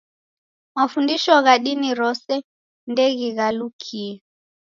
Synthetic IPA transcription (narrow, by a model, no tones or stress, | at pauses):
mafundiʃɔɣaɗiniɾɔsɛ | ndɛɣiɣalukʰiɛ